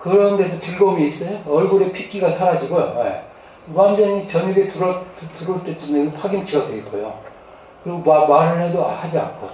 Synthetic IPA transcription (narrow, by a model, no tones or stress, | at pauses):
kɯɾʌnde̞sʰʌtɯɭɡʌmiːs͈ʌjoʌɭɡuɾe̞pʰik͈iɡasʰaɾad͡ʑiɡojo̰jḛ | wand͡ʑʌɲit͡ɕʌniɡetuɾʌttuɾoɭt͈et͡ɕ͈indepʰaɡint͡ɕiɡʌteik͈ojo̰ | kɯɾiɡomamaɾɯɭɦedoahad͡ʑia̰nkʰo